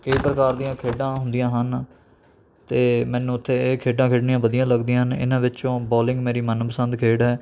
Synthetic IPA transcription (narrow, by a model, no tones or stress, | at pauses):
kəiːpɾəkaːɾd̪ijãːkʰeːɖãːɦʊ̃nd̪ijãːɦən | t̪eːmɛ̃ːnːũːʊt̪ʰːeːkʰeːɖãːkʰeːɖniãːʋəd̪ijãːləɡd̪ijãːɦənɪ̰nãːʋɪt͡ʃõːbɔːlɪ̃ŋɡmeːɾiːmənpəsənd̪kʰeːɖɦɛː